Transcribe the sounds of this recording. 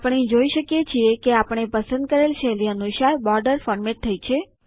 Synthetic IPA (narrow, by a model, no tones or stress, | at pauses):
pɳ̃id͡ʒoiʃəkjet͡ʃʰiekeapəɳ̃epəsə̃nd̪̚kəɾelt͡ʃʰeliənuʃaɾbɔɾɖəɾfɔɾmeʈ̚t̪ʰəit͡ʃʰe